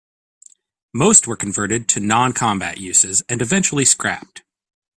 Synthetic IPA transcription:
moʊst̚wə˞kʰɨ̃ɱvɜ˞ɾɨd̚tʰɨnɑ̃nkʰɑ̃mbæ̰ʔjʉsɪzɨ̃nɨvɛ̃nt͡ʃl̩ˠiskɹæ̰p̚t

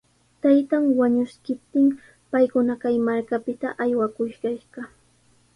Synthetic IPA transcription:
t̪ajt̪aŋwaɲʊskɪp̚t̪ɪm | pajkʊnakajmaɾkapɪt̪aʔajwakʊʃɢɑjɢɑ

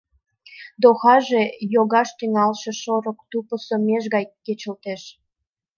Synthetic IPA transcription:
d̪oxɑʒejoɣɑʃt̪yŋɑlʃeʃoɾokt̪upə̆someʃ̬ɣɑjkːet͡ɕə̆lt̪eʃ

